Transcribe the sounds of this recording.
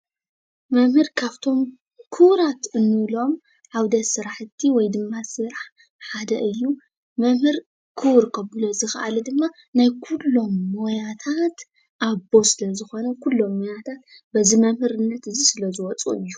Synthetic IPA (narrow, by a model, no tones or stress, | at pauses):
mɐmhɨɾkʰaβt̪ʰo̞m | kʰuwɾat̪ɨnːɨlo̞m | ħawd̪ɐt̪sɨɾaħɨt̪ʰːiwɔjd̪ɨmːasɨɾaħ | ħad̪ɐʔɨjːu | mɐmhɨɾ | kʰuwɾkʰɐβɨlozɨxɐ̰ʔalid̪ɨmːa | najkʰulːo̞mːojat̪ʰat̪ | ʔabo̞sɨlɐzɨxo̞nɐkʰulːo̞mːojat̪ʰat̪̚ | bɐzimɐmhɨɾɨnːɐt̪ɨzisɨlɐzɨwɔt͡sʼṵɨjːu